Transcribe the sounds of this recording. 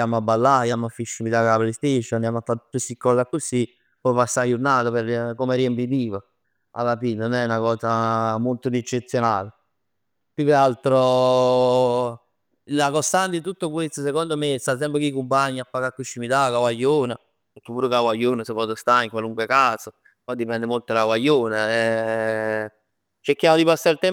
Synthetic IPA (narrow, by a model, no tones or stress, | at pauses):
jamabalːajamafːiʃːimit̪akaplest̪eʃːɔnand̪amat̪ːau̥t̪ːusikːɔlakːusi | pɔpasːajunːaːt̪operkomeriempit̪̬iːva | a̰lːapinonnɛunakɔːsamolt̪od̪ɛt͡ʃːet̪sjonaːle | pjukealt̪ɾo | lakost̪ant̪it̪ut̪ːokwest̪osekond̪omest̪as̬ɛmpɾekeikumpaɲːiapːakakːut͡ʃːimit̪akawaʎːoːna | pek̟ːepːuːɾokawajːoːnasevɔd̪ost̪aiŋkwaluŋkwekaːso | pɔd̪ːipɛnd̪emolt̪olawajːoːnaɛ | t͡ʃeɾkːjaːmod̪ipasːaɾilt̪ɛ